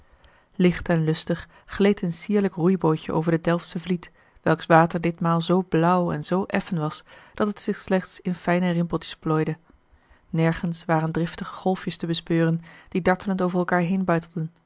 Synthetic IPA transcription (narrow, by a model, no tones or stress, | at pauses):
lɪχtɛnlɵstəχː | lejtənsiːɹləkrujbojcə̰ʔo̰wvəɹdədɛlˠfsəvlit | ʋɛlˠksʋaːtəɹdɪtmaːlˠzowblʌwɛ̰nzowʔɛfənʋɑsd̥ɑtətsɪχslɛχtsɪnfɛjnərɪmpəl̩ˠtjə̥splojdə | nɛɹχənsʋaːrəndrɪftəχəχɔlˠfjəstəbəspøːrənd̥idɑɹtələntowvərɛlˠkaːɹɦejnbœɥtəl̩ˠdən